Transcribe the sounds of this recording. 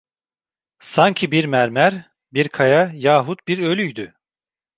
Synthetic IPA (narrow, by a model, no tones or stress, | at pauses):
saɲcʰibiɾmæɾmæɾ | biɾkʰajajaːɦut̪̚biɾø̞lʲyjd̪y